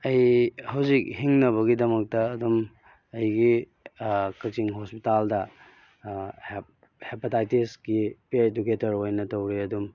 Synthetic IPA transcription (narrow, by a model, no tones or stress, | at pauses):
ɐjhɐwzik̚hiŋnɐβɐɡidɐmɐk̚tɐːdum | ɐjɡi | kɐk̚t͡ʃiŋɦospitaldɐ | h | hepatajtisɡipiaeduketɐɾojnɐtɐwɾiɐdum